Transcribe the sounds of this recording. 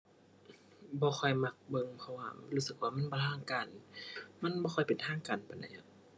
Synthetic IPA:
bɔː˧˦xʰɔ˧˩jma˧˩k̚bɤ˧ŋpʰɔ˧waː˧luː˧˥sɯ˨˧˩k̚waː˧˨ma˧˥˨nbɔː˧t̪ʰaː˧˩˨ŋkaː˨˩nma˧˥˨nbɔː˧xʰɔ˧˩jpe˨nt̪ʰaː˧˥˨ŋkaː˨˩npa˨nda̰˧ja˧˨

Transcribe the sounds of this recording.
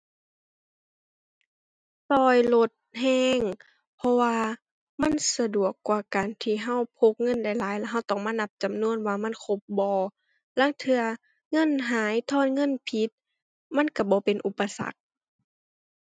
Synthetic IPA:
sɔː˧jlo˧t̪̚ɦɛː˧˥ŋ | pʰɔ˧waː˧ | ma˧˥˨nsa˧du˨˩əkːwaː˧˩kaː˨nt̪ʰiː˧˩ɦa˧˥˨wpʰo˧˦k̚ŋɤ˧˥˨nda˧˩jlaː˨˦jla˧ɦa˧˥˩wt̪ɔː˧˨˩ŋmaː˧˥˨na˧p̚t͡ɕa˨mnu˧˥˨ənwaː˧ma˧˥˨nkʰo˧˦p̚bɔː˨˧ | la˧˥˨ŋt̪ʰɯ˧ɐ | ŋɤ˧˥˨nɦaː˨˦jt̪ʰɔː˧˥˨n̚ŋɤ˧˥˨npʰi˧˦t̪̚ | ma˧˥˨nka˧˩bɔː˨˦pe˨nʔu˧˦pːa˧sa̰˧˦k̚

